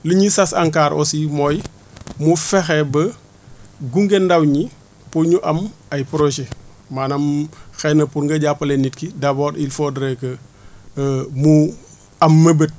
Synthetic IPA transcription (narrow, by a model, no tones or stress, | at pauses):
liɲisasaŋkaːɾo̰simoj | mufɛxebə | ɡuŋɡendɐwɲi | puɲuʔɐmɐjpɾoʃe | manɐmxɛnːɐpuɾŋɡɐɟapːɐlenːitkidɐboːɾilfodɾekə | mu | ɐmːəbət̚